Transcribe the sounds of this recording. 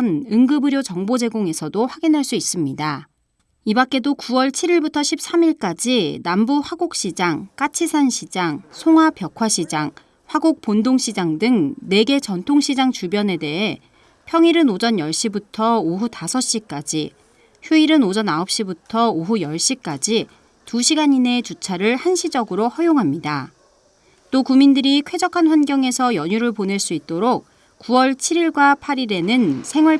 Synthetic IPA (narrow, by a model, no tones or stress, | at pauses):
nɯŋɡɯbɯɾjot͡ɕʌŋbod͡ʑe̞ɡoŋe̞sʰʌdoɸwaɡinɦaɭs͈uis͈ɯmɲida | ibak͈e̞dokuwʌɭt͡ɕʰiɾiɭbutʰʌɕʰip̚s͈amiɭk͈ad͡ʑinambuɸwaɡok̚ɕ͈id͡ʑaŋk͈at͡ɕʰisʰanɕʰid͡ʑaŋsʰoŋɦwapjʌkʰwaɕʰid͡ʑaŋ | ɸwaɡuk̚p͈ondoŋɕʰid͡ʑaŋdɯŋne̞ɡe̞t͡ɕʌntʰoŋɕʰid͡ʑaŋt͡ɕubjʌne̞de̞ɦe̞ | pʰjʌŋiɾɯnod͡ʑʌnjʌɭɕ͈ibutʰʌoɦutasʰʌɕ͈ik͈ad͡ʑi | çjuiɾɯnod͡ʑʌnaʌp̚ɕ͈ibutʰʌoɦujʌɭɕ͈ik͈ad͡ʑi | tuɕʰiɡaɲine̞t͡ɕut͡ɕʰaɾɯɭhanɕʰid͡ʑʌɡɯɾohʌjoŋɦamɲida | t͈okumindɯɾikʰwe̞d͡ʑʌkʰanɸwanɡjʌŋe̞sʰʌjʌɲuɾɯɭpone̞ɭs͈uit̚t͈oɾok̚ | kuwʌɭt͡ɕʰiɾiɭɡwapʰaɾiɾe̞nɯnsʰe̞ŋwʌɭ